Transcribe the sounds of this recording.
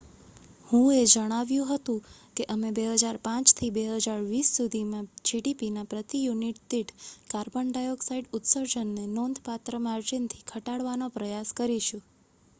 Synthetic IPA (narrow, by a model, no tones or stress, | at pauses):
hũed͡ʒəɽ̃aʋjũɦət̪ũ | keʔəmebeɦəd͡ʒaɾpãt͡ʃt̪ʰibeɦəd͡ʒaɾʋisːud̪ʱimãd͡ʒiɖipinapɾət̪ijuniʈ̚t̪iʈkaɾbəɳɖajoksaiʈʊt̪səɾd͡ʒənːenond̪ʱpat̪ɾəmaɾd͡ʒint̪ʰikʰəʈaɽʋanopɾəjaskəɾiʃũ